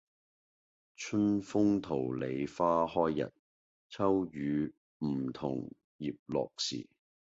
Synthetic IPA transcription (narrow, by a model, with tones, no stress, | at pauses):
t͡ʃʰɵ˥nfʊ˥ŋt̪ʰo˨˩wle˨˧jfaː˥hɔː˥jːɐ̰˨˩t̚ | t͡sʰɐ˥wjyː˨˧ | m̩˨˩t̪ʰʊ̰˨˩ŋ | jiː˨p̚lɔ̰ː˨k̚sḭː˨˩